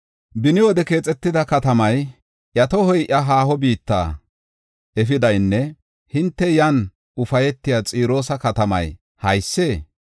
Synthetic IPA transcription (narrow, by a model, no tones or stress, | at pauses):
bɪnɪwɔd̪ɛke̞ːt͡sʼɛt̪ːɪd̪ɐkɐt̪ɐmɐj | ʔjɐt̪ɔhɔjʔɐɦaːhɔbiːt̪ːa̰ː | ʔɛfɪd̪ɐjnːɛ | hɪnt̪ːɛjɐn | ʊfɐjɛt̪ːɪjat͡sʼiːɾo̞ːsɐkɐt̪ɐmɐ̰j | hɐjsːe̞ː